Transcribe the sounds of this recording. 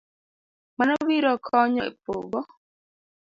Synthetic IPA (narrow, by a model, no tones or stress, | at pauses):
manɔbiɾɔkʰɔɲɔḛpo̰ɡɔ